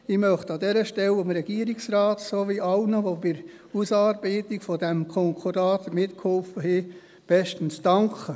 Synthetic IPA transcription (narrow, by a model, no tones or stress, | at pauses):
ɪmœχtɑd̪ɛɾəʃtɛlomɾɛɡ̥iːəɾɪksrɑːtsoʋiɑlnəʋobɪɾ | usɑːɾbɛɪtɪkfɔdɛmkʰɔŋkʰɔɾɑːt̪mɪtkhɔlfəhɪ | b̥ɛʃtən̩sd̥ɑŋkʰə